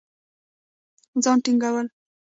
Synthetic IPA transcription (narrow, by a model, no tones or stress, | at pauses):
d͡zɑnʈiŋɡawəl